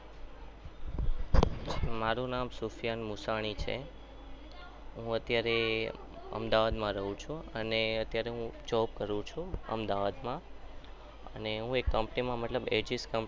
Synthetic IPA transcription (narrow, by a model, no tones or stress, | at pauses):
maɾũnamsufjanmusaɽ̃it͡ʃʰḛ | ɦũət̪jaɾe | ə̰md̪aʋad̪mãɾəɦũt͡ʃʰũəneət̪jaɾeɦũd͡ʒɔpkəɾũt͡ʃʰũə̰md̪aʋad̪mã | ə̰neɦũekːəmpnimãmət̪ləbed͡ʒiskəmp